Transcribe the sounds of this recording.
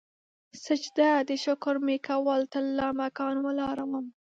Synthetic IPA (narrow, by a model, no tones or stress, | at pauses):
səd͡ʒd̪ad̪əʃʊkʊɾmekawɑlt̪alːamakɑnwəlɑɾawəm